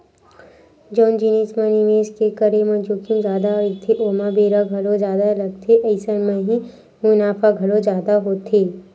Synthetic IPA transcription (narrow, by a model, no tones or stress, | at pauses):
d͡ʒɔːnd͡ʒɪniːsmənimeːskekəɾemɐ̃d͡ʒoːkijũzjaːd̪aɐləɡt̪ʰeʔoːmãbeːɾaɡʱɐlozjaːd̪alɐɡt̪ʰeʔɐɪsənmẽɦi | mʊnaːfaɡʱɐlõzjaːd̪aɦoːt̪ʰeː